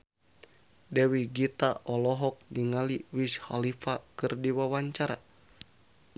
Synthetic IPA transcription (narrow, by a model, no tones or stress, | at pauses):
dɛwiɡit̪aʔɔlɔɦɔk̚diŋaliwisha̰lifakɨrdiwawaɲt͡ʃaɾa̰